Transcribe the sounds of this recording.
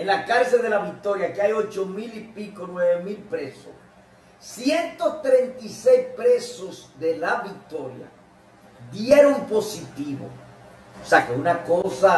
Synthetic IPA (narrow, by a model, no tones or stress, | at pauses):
enlakaɾse̞ld̪e̞laβik̚t̪o̞ɾjakeajo̞t͡ʃo̞milipikonweβemilpɾe̞so̰s | sjent̪o̞t̪ɾe̞nt̪isejspɾe̞so̞sðelaβik̚t̪o̞ɾja̰ | ðjeɾompo̞sit̪iβo̞̰ | oseakeunako̞sa